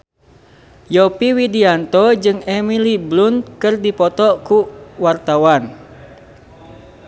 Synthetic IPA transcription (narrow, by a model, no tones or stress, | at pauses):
jɔpiwidiant̪ɔd͡ʒɨŋɛmiliblund̪kɨrdipɔt̪ɔkuwart̪awan